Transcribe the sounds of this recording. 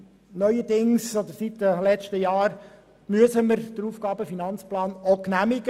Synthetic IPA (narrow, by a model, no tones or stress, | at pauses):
nœʏədɪŋsɔd̪əɾsitdəlɛt͡ʃtəjɑːɾ | myəsəməɾd̥əɾuːfɡ̥ɑːbəfinɑnt͡splɑːnoknæmɪɡə